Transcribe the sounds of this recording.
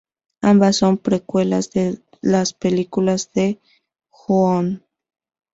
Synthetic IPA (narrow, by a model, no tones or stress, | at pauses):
ambasːompɾekwelazðe | laspelikulazðe | xuon